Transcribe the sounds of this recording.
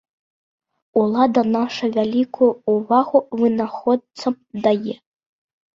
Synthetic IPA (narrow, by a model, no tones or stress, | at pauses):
ulˠad̪ɐnaʂɐvʲalʲikʰujuːvaɣuvɨnaxɔt̪̚t̪sɐm | d̪ajɛ